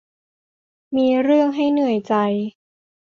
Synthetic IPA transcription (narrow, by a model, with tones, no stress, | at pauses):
miː˧ɾɯ˥˩əŋɦa˥˩jnɯ˥˩əjt͡ɕa˧j